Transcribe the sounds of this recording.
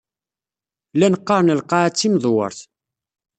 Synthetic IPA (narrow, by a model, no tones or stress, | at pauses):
lænəqːɑɾˤnəlqɑt͡sːimðˤwə̰ɾˤθ